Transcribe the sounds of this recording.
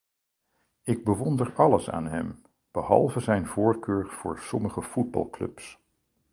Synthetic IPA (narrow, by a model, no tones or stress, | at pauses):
ɪɡ̚bəʋɔndəɹɑləsa̰ːnɦɛ̰m | b̥əhɑ̰lˠvəzɛjnvʊːɹkøːɹv̥ʊ̰ːɹsɔməχəfud̚bɑ̰lˠklɵ̰ps